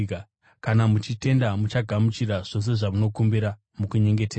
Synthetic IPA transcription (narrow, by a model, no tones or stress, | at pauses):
ka | kanamut͡ʃite̞ndamut͡ʃaɡʱamut͡ʃiɾaʐ̥o̞s̬e̞ʐamuno̞kumbiɾa | mukuɲe̞ŋɡe̞teːa